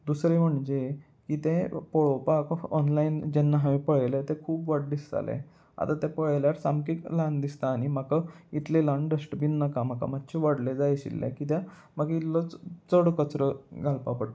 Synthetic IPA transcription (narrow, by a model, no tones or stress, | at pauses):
d̪usɾeməɳd͡ʑe | kit̪ẽpɔɭɔpakɔ̰nlaind͡ʑɛnːaɦaʋepəɭəjlet̪ẽkʰuːpʋaɽd̪ist̪a̰lḛ | a̰t̪at̪ɛ̃pəɭljaɾsamkikland̪ist̪aːɽ̃im̤akait̪lelanɖəsʈbinːakamaka̰mat̪ːɕʰeʋəɽled͡zajɕḭlːḛkit̪jã | maɡit̪lɔt͡st͡səɽkət͡sɾəɡʱalpapəɽt̪